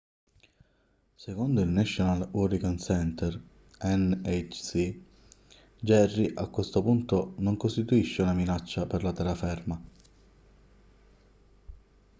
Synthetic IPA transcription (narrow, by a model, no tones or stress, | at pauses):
sekond̪oilnɛʃonalurikansɛnt̪ʰɛr | ɛnet͡ʃsi | d͡ʒɛrːiʔakwest̪opunt̪onoŋkost̪it̪uiʃːeunaminat͡ʃːaperlat̪ɛɾafɛrma